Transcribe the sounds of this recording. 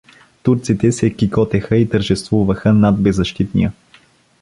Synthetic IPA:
t̪uɾt̪sit̪ɛsɛkikɔt̪ɛxəit̪əɾʒɛst̪vuvəxənad̪̚bɛzːɐʃt̪it̪nḭjə

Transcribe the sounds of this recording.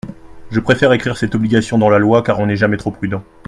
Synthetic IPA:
ʒəpχefɛʁekχiʁsɛt̪ɔbliɡʲasjɔ̃d̪ɑ̃lalwakaʁɔ̃nɛʒamɛt̪χopχyd̪ɑ̃

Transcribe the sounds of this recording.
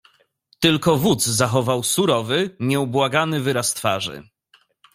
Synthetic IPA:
t̪ɘlkɔvud̪zzaxɔvawsuɾɔvɘmʲjɛubwaɡanɘvɘɾast̪fa̰ʐɘ̰

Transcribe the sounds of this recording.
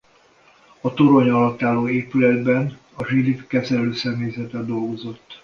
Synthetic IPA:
ɒt̪oɾo̞ɲɒlɒt̪ːaːlːoːeːpylɛd̪bɛn | ɒʒid̪ipkɛzɛløːsɛmeːzɛt̪ɛd̪o̞lɡo̞zo̞t̪ː

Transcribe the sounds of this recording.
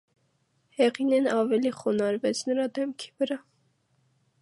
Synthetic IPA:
hɛʁinɛnɑvɛliχɔnɑɾvɛt͡sʰnəɾɑd̪ɛmkʰi̥vəɾɑ

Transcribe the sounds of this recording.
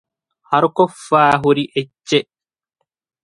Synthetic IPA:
hɐɾʊkɔfːaːɦuɾiʔɛt͡ʃːe

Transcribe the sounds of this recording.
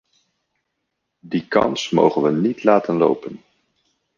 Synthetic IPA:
dikɑ̰nsmo̰wχənʋənitlaːtənlo̰wpən

